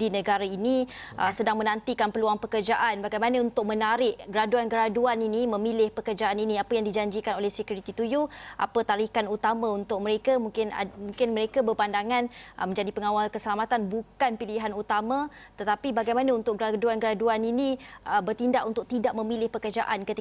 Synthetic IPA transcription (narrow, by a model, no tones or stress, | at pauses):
dinə̃ɡaɾainiʔə̰sədaŋmə̃nãnt̪ikanpəluaŋpəkərd͡ʒaʔanbaɡajmanaunt̪ʊk̚mə̃naɾɪʔɡəɾaduanɡɾaduaninimə̃milɪhpəkərd͡ʒaʔaninĩapəjaŋdid͡ʒaɲd͡ʒikanolɛhsəkjuɾit̪it̪ujuʔa̰pət̪aɾikanut̪amãunt̪ʊk̚mə̃ɾekamuŋkɪn̰muŋkɪnməɾekabəpandaŋãnəmə̃ɲd͡ʒadipəŋawalkəsəlamat̪anbukanpiliɦanut̪amãt̪ət̪apibaɡajmanaunt̪ʊk̚ɡɾaduanɡəɾaduaninĩəbərt̪indaʔunt̪ʊk̚t̪idaʔ̚mə̃milɪhpəkərd͡ʒa̰ʔankət̪i